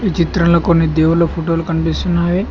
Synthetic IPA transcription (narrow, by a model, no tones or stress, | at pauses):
it͡ʃit̪ɾɐnlɐkonːid̪eːʋulɐpʰuʈoːlukɐɳpist̪unːaːʋi